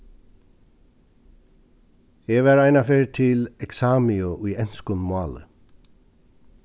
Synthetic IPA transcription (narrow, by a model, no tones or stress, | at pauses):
eʋaɹajnafeːɹt̪ʰɪlɛksaːmiʊʔujɛnskʊnmaːlə̰